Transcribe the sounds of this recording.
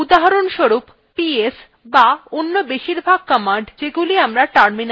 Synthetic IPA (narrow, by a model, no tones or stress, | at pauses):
ud̪aɦaɾonʃoɾup | pies | baonːobeʃiɾbʱaɡ̚kɔmaɳɖd͡ʑeɡuliamɾaʈaɾmin